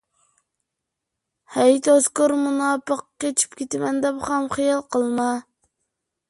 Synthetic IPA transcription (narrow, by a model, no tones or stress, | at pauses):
hɛjt̪ʰoskʊɾmunɑːpəqːʲet͡ʃʰy̥pkʲet̪ɪmɛnd̪ɛpχɑmχijɑlˠqʰəlˠmɑ